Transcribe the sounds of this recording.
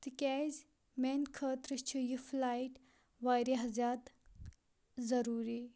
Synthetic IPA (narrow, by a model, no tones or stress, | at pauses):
t̪ikʲɛz | menkʰəːt̪ɾɨʃt͡ʃʰijiflajʈ | ʋaːjɾiɦɐzaːt̪ | zɐɾuːɾi